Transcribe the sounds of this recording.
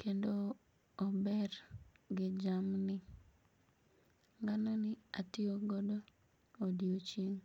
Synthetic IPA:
kendoː | bɛɾɡɪd͡ʒamnɪ | ŋɡanɔnɪatɪoɡɔdo | odiot͡ʃiŋ

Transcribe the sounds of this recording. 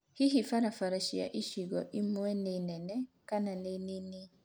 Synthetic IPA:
hiɦifaɾafaɾaʃia̰ʔiʃiɡɔʔimwɛnenɛnɛkananenini

